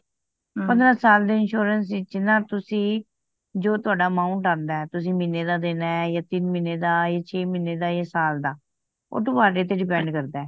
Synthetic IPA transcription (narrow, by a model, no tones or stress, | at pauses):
pə̃nd̪ɾãːsaːld̪eːɪnʃoːɾənsɪt͡ʃnãːt̪ʊsĩː | d͡ʒoːt̪ʊaːɖaːmãːuɳʈãːnd̪aːɛːt̪ʊsĩːmɪneːd̪aːd̪eːnaːɛjaːt̪ɪnmɪneːd̪aːjaːt͡ʃʰeːmɪnːeːd̪aːeːsaːld̪aː | o̰ːt̪ʊaːɖeːt̪̬eːɖɪpɛ̃ːɳɖkəɾd̪aːɛː